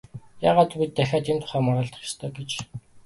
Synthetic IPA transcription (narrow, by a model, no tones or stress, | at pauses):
jaːʁaːt̪pʲit̪ːæxʲaːt̪emt̪ʰʊ̥χæːmɔɾɔːɮt̪ə̥̆χe̥st̪ʰɔːɡet͡ɕ